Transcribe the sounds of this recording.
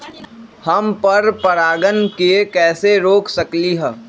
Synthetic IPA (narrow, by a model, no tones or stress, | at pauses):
hɐmpɐɾpɐɾaːɡənkekɛːseɾoːksɐkliɦɛː